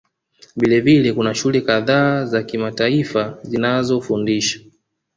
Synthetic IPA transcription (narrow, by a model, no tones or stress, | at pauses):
vilɛvilɛkunaʃulɛkaðaːzakimataifazinazɔfundiʃḁ